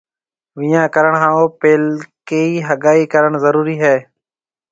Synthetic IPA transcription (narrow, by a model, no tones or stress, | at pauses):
ʋiːjãːkəɾəɳɦãːoːpeːlkeːiːɦəɠaːiːkəɾəɳzəɾuːɾiːɦɛː